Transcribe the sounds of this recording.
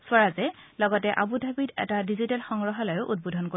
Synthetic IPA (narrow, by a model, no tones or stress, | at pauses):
swaɹazɛ | lɔɡɔtɛʔabudʱabitɛ̰tadizitɛlxɔŋɹɔɦɔlajʊʔud̚budʱɔnko